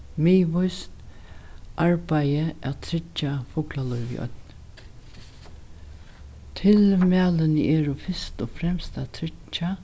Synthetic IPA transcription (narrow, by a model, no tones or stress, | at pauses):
meːʋʊjst̪ | ʔaɹpajəæt̪ʰɾɪt͡ʃːafʊklalɔjʋḭʔœ̰t̪n | t̪ʰɪlmæːlənəɛːɾʊfɪst̪ɔːfɾɛmst̪at̪ʰɾɪt͡ʃa